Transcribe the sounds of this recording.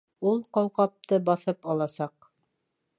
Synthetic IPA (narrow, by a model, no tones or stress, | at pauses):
ulˠqɑwqɑp̚t̪ɤbɑθɤpɑlˠɑsɑq